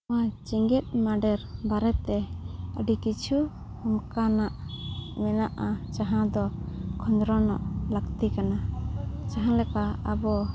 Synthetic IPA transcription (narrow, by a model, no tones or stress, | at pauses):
at͡ʃiŋɡit̪̚maɖɛɾbaɾɛt̪ɛəɖikit͡ʃʰu | hɔmkanaʔmɛnaʔat͡ʃaɦãd̪ɔkʰɔnd̪ɾɔnɔ̰ʔləkt̪ikanad͡ʒaɦãlɛkaabɔ